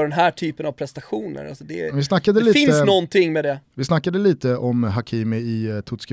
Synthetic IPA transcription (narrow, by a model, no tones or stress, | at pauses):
ɖɛnɦæːʈʰyːpənavpʰɾɛst̪aɧuːnə̰ɾa̰lsɔd̪ɛvɪsnakːad̪əliːɪnːsnɔnːt̪ʰɪŋːmɛd̪ɛvɪsnakːad̪əliːt̪əʔɔmɦakʰiːmɪɪt̪ʰʊt̪sk